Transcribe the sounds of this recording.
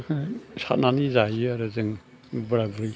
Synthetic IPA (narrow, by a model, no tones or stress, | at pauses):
sʰa̰t̚nanizajɯaɾɯzɯŋ | bɯɾabɯɾi